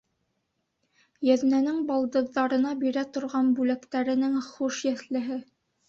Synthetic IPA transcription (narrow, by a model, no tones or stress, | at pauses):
jæðnænɘŋbɑlˠd̪ɤ̆ððɑɾɤ̆nɑbiɾæt̪ŏɾʁɑnbʉlækt̪æɾɘ̆nɘŋχuʃjæθlɘ̆ɦɘ